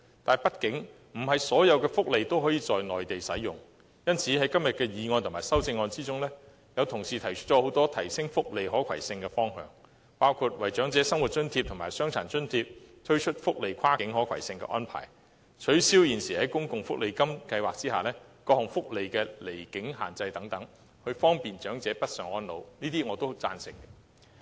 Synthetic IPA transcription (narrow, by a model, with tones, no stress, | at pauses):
t̪aː˨npɐ˥t̚kɪ˨˥ŋ | m̩˨˩ɦɐ˨jsɔː˨˥jɐ˨˧wkɛː˧fʊ˥k̚le˨jt̪o˥wɦɔː˨˥jiː˧t͡sɔː˨jnɔː˨˩jt̪e˨jsɐ˨˥jʊ˨˩ŋ | jɐ˥nt͡sʰiː˨˥ɦɐ˨˥jkɐ˥mjɐ˨t̚kɛː˧jiː˨˧ŋɔː˧nt̪ʰʊ˨˩maː˨˩jsɐ˥wt͡sɪ˧ŋːɔː˧nt͡siː˥t͡sʊ˥ŋlɛː˥ | jɐ˨˧wt̪ʰʊ˨˩ŋsiː˨t̪ʰɐ˨˩jt͡ʃʰɵ˥t̚t͡ʃɔː˨˥ho˨˥wt̪ɔː˥t̪ʰɐ˨˩jsɪ˥ŋfʊ˥k̚le˨jɦɔː˨˥kʰwɐ̰˨˩jsɪ˧ŋkɛː˧fɔː˥ŋɦœ̰ː˨˧ŋ | paː˥wkʰu˧t̚wɐ˨jt͡ʃœː˨˥ŋt͡sɛː˨˧sɐ˥ŋwu˨˩t̚t͡ʃɵ˥nt̪ʰiː˧p̚t̪ʰmaː˨jsœː˥ŋt͡sʰa̰ː˨˩nt͡ʃɵ˥nt̪ʰiː˧p̚t̪ʰɵ˥ɥt͡ʃʰɵ˥t̚fʊ˥k̚le˨˧jkʷʰwaː˥kɪ˨˥ŋɦɔː˨˥kʰɐ˨˩jsɪ˧ŋkɛ̰˧ʔɔ̰ː˥npʰa̰ː˨˩j | t͡ʃʰɵ˨˥ɥsiː˥wjiː˨˩nsiː˨˩hɐ˨˥jkʊ˥ŋkʊ˨˧ŋfʊ˥k̚le˨˧jkɐ˥mkɐ˧jwaː˨k̚t͡siː˥haː˨lɛː˥kɔː˧hʊ˨˩ŋfʊ˥k̚le˨jkɛː˧le˨˩jkɪ˨˥ŋɦa̰ː˨nt͡sɐ˧jt̪ɐ˨˥ŋt̪ɐ˨˥ŋ | hɵ˧ɥfɔː˥ŋpiː˨nt͡ʃœː˨˥ŋt͡sɛː˨˧˥pɐ˥t̚sœː˨ŋɔː˥nlo̰˨˧wniː˥t̪iː˥ŋɔː˨˧t̪o˥wt͡sa̰ː˧nsɪ˨˩ŋ˧